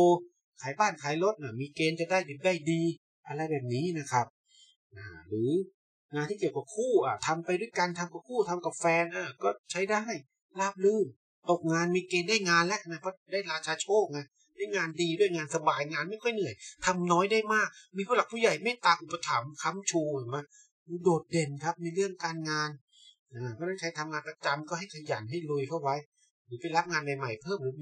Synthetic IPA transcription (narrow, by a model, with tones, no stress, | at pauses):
oː˧ | kʰaː˨˩˦jbaː˥˩nkʰaː˨˦jlo˦˥t̪̚ʔa˧˩miː˧keː˧nt͡ɕa˨˩daː˥˩jdi˨˩p̚daː˥˩jdiː˧ | ʔa˧ɾa˧jbɛː˨˩p̚niː˦˥na˦˥kʰa˦˥p̚ | ʔaː˧˩ɾɯː˩˦ | ŋaː˧nt̪iː˥˩ki˨˩əwka˨˦p̚kʰuː˥˩ʔaː˨˩t̪ʰa˧mpa˧jdu˥˩əjka˧nt̪ʰa˧mka˨˩p̚kʰuː˥˩t̪ʰa˧mka˨˩p̚fɛː˧nʔaː˧˩kɔː˥˩t͡ɕʰa˦˥jdaː˥˩j | laː˥˩p̚lɯː˧˩m | t̪o˨˩k̚ŋaː˧nmiː˧keː˧ndaː˥˩jŋaː˧nlɛ˦˥ʔna˧˩pʰɔː˦˥˩daː˥˩jɾaː˧t͡ɕʰaː˧t͡ɕʰoː˥˩k̚na˦˥˩ | maː˥˩jŋaː˧ndiː˧du˥˩əjŋaː˧nsa˧baː˧jŋaː˧nma˥˩jkʰɔ˥˩jnɯ˨˩əjt̪ʰa˧mnɔː˦˥jdaː˥˩jmaː˥˩k̚miː˧pʰuː˥˩la˨˩k̚pʰuː˥˩ja˨˩jma˥˩jt̪aː˧ŋʔu˨˩pːa˧t̪ʰa˩˦mkʰa˦˥mt͡ɕʰuː˧˨˩ma˧˥˩ | uː˧˦doː˨˩t̪̚de˧nkʰa˦˥p̚mi˧ɾɯ˥˩əŋkaː˧nŋaː˧n | ʔaː˧˩kʰɔː˥˩naː˥˩t͡ɕʰa˦˥jt̪ʰa˧mŋaː˧npa˧t͡ɕa˧mkɔː˥˩ɦa˥˩jkʰa˧ja˩˦nɦa˥˩jlu˧jkʰa˥˩wa˦˥j | ɾɯː˩˦˥pa˧jla˦˥p̚ŋaː˧nma˨˩jma˨˩jpʰɤː˥˩mu˨˦